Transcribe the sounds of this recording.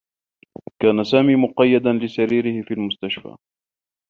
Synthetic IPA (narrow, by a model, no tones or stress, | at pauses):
kaːnasaːmiːmʊqɑjːad̪anlɪsaɾiːɾɪhɪfiːlmʊst̪aʃfa̰ː